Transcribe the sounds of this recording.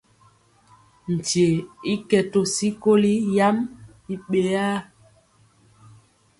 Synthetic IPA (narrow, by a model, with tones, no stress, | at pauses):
n̩˨ti˨e˨i˦kɛ˨to˨si˦ko˦li˦ja˦m | i˨ɓe˨a˦